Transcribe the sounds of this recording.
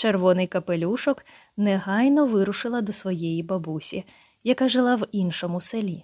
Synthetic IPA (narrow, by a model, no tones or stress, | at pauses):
t͡ʃerʋɔnɪjkɐpelʲuʃɔk | nɛɦɑjnɔʋɪɾʊʃɪlˠɐd̪ɔsʋɔjɛjibɐbusʲi | jɐkaʒɪlˠɑʋinʃɔmʊselʲi